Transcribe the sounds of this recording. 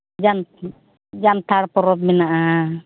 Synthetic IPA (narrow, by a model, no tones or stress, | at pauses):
d͡ʒan | d͡ʒant̪ʰaɽpɔɾɔt̪̚mɛnaʔa